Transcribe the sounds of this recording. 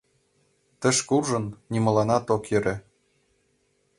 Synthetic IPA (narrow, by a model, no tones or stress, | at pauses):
t̪ə̆ʃkulʒɤ̆nːimɤ̆lɑnɑt̪okjɘ̆ɾĕ